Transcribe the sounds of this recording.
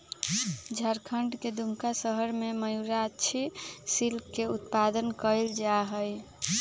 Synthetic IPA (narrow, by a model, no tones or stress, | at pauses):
d͡ʒʱəɾkʰəɳɖked̪umkasəɦəɾmeməjuɾatːt͡ʃʰisilkkːeut̪pad̪ənkəld͡ʒaɦəj